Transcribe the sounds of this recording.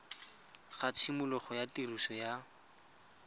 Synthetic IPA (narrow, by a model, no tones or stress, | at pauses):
χat͡sʰimʊlɔχɔjatiruʃɔja